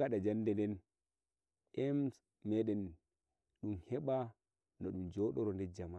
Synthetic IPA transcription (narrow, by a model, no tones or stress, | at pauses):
aɗad͡ʒandɛndɛn | ʔɛms | mɛɗɛn | ɗumhɛɓa | nɔɗumd͡ʒɔːɗɔɾɔndɛd͡ʒama